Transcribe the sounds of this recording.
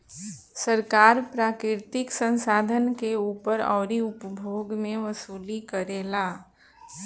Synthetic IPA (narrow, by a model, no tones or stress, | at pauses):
səɾkaːɾpɾaːkɾɪɾt̪ɪksə̃nsaːd̪ʱənkeuːpəɾɔ̰ːɾiʊpbʱoːɡmẽʋəsuːlikəɾeːlaː